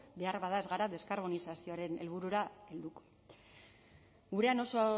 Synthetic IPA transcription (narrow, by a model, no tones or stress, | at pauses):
be̞aɾβaðaezɣaɾaðe̞skaɾβ̞o̞nisasioaɾe̞ne̞̰lβ̞uɾuɾae̞ld̪uko̥ | ɡuɾe̞ano̞so